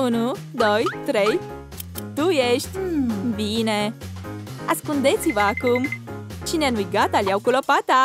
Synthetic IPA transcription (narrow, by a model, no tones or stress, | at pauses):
unu | d̪o̞jt̪ɾe̞j | t̪ujeʃt̪ʲbine̞ | askund̪e̞t̪sivəakumt͡ʃineanujɡat̪alʲjawkulopat̪a